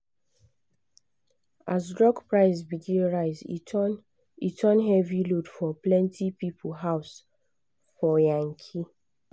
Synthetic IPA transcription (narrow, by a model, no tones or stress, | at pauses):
ʔazdɹɔɡpɹaɪzbiɡẽɹaɪz | itʰɔ̃nɦɛvilodfɔplɛ̃ntʰipipʰl̩ɦaʊs | fɔjãŋkʰi